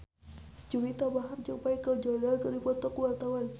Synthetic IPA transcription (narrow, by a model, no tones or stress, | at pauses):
d͡ʒuwit̪abaɦard͡ʒəŋpaikəld͡ʒɔdalkərdipɔt̪ɔkuwart̪awan